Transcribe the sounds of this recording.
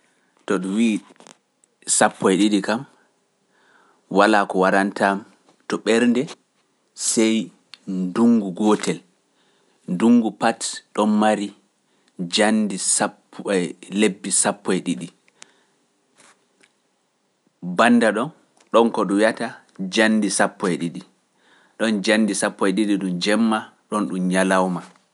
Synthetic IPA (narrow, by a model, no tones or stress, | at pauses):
tɔɗuwiː | sapːɔjɗiɗikam | walaːkɔwaɾantam | tɔɓɛɾndɛ | sɛj | nduŋɡuɡɔtɛl | nduŋɡupatɗɔnmaɾi | d͡ʒandisapː | lebːisapːɔjɗiɗi | banːdaɗɔn | ɗɔnkɔɗɔjata | d͡ʒanːdisapːɔjɗiɗi | ɗɔnd͡ʒandisapːɔjɗiɗiɗund͡ʒɛmːaɗɔnɗumɲalawma